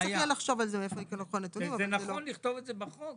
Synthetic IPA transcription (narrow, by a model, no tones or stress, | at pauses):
ajtajalaχʃo̞valzemeefoikelokχonet̪unimavenaelonliχt̪ovet̪zebaχu